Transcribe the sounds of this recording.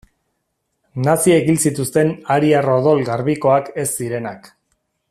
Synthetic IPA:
nasiekilsit̪ust̪e̞naɾiaroðo̞lɣaɾβiko̞ake̞sːiɾe̞nak

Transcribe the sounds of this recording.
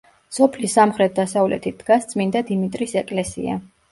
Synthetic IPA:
sɔpʰlisːamχɾɛt̪̚d̪asavlɛ̰t̪ʰit̪̚d̪̥ɡast̪sʼmind̪ad̪imit̪ʼɾisɛkʼlɛsḭa̰

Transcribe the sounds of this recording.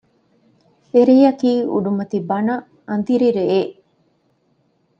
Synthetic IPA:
eɾejɐkiːṵɖumɐt̪ibɐnɐ | ɐnd̪iɾiɾeeʔ

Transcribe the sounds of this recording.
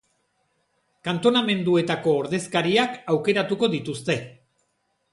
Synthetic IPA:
kant̪o̞name̞nd̪ue̞t̪ako̞ːɾðe̞skaɾiakawke̞ɾat̪uko̞ðit̪ust̪e̞

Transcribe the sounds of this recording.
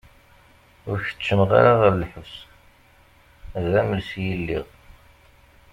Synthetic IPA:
ʊɾçə̥t͡ʃːəmʁa̰ɾaʁəɾlħəvs | ðæməlsjəlːḭʁ

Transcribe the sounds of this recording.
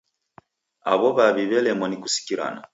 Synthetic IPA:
a̰βɔβaβiβɛlɛmɔnikusi̥kiɾa̰na̰

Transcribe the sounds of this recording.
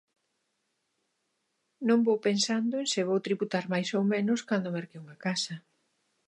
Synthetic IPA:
nõmbowpensand̪oensɪβowt̪ɾiβut̪aɾmajsowmẽnʊskand̪omeɾkeuŋakasɐ

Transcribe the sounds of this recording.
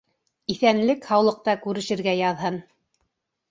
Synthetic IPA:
iθænlɘkhɑwlˠɤ̆q̚t̪ɑkʉɾɘ̆ʃɘ̆ɾɡæjɑðɦɤn

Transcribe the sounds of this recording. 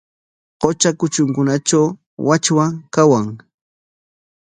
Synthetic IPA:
qot͡ʃakʊt͡ʃʊŋkʊnat͡ʃaw | wat͡ʃwakawaŋ

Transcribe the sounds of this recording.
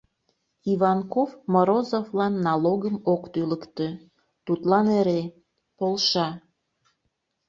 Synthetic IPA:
iβɑnkofmoɾozovlɑnːɑloɣəmokt̪yləkt̪ø | t̪ut̪lɑneɾe | polʃɑ

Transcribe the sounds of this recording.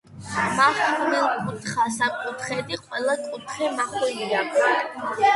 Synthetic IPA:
maχunɛlˠkʼut̪ʰχasakʼut̪ʰχɛd̪iqʼwɛlˠakʼut̪ʰχɛmaχwɛlia

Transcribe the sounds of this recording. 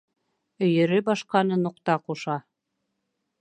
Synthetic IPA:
ɵ̆jɘ̆ɾɘbɑʃqɑnɤnuqt̪ɑquʃɑ

